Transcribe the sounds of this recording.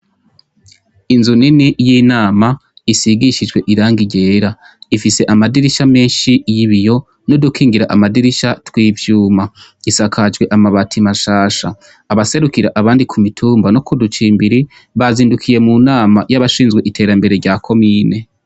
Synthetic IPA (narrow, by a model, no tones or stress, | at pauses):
inzuninijiːnaːma | isiɡiʃid͡ʒwe̞ʔiɾaːŋɡiɟe̞ːɾa | ifise̞ʔamadiɾiʃame̞ːnʃijiβijo̞ | nodukʰiːŋɡiɾaʔamadiɾiʃatwiːvjuːmaisakʰad͡ʒɡwe̞ʔamaβatʰimaʃaːʃaː | βase̞ɾukiɾaʔaβaːndikʰumitʰuːmbanokudut͡ʃiːmbiɾi | βaziːndukʰije̞munaːmajaβaʃiːnzɡwe̞ʔitʰe̞ːɾambe̞ɾe̞ɟaːkʰo̞miːne̞